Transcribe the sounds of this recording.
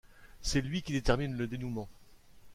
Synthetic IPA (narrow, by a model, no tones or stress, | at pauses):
sɛlɥikʲid̪et̪ɛʁminləd̪enumɑ̃